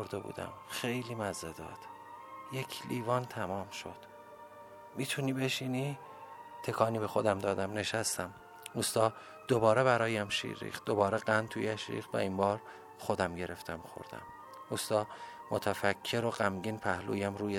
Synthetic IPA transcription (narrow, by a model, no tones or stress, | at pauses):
oɾd̪ebṵːd̪æ̰mxejliːmæzed̪ɒ̰ːd̪̥ | je̞cʰliːvɒːnt̪ʰæmɒːmʃo̞̰d̪̥ | mit̪ʰuniːbe̞ʃiːni | t̪ʰekʰɒːniːbexod̪æmd̪ɒːd̪æmne̞ʃæst̪æm | ust̪ɒː | d̪̥obɒːɾeβæɾɒːjæmʃḭːɾːḭːχ̚d̪obɒːɾeɢænd̪̚t̪ʰujæʃɾḭːxt̪væ̰imbɒːɾ | xod̪æmɟe̞ɾe̞ft̪ʰæmxo̰ɾd̪æ̰m | ust̪ɒː | mot̪ʰæfæcʰːe̞ɾoɢæmɟiːnpʰæhlṵːjæmɾuːje